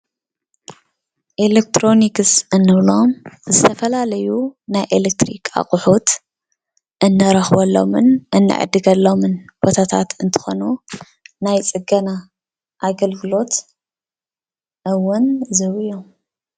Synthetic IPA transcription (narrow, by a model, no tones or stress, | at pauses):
ʔelek̚t̪ɾo̞nikɨsɨnːɨβlo̞mzɨt̪ʰɐfɐlalɐjunajʔelek̚t̪ɾḭkʰa̰χʼʊħut̪ | ʔɨnːɨɾɐxbɐlːo̞̰mɨnʔɨnːɨ̰ʕɨ̰d̪ɨɡɐlːo̞mɨnb̥ot̪ʰat̪ʰa̰t̪ɨnt̪ʰɨ̥xo̞nu | najt͡sʼɨɡɐna | ʔaɡɐlɡɨlo̞t̪ | ʔɨwʊnzɨβɨjom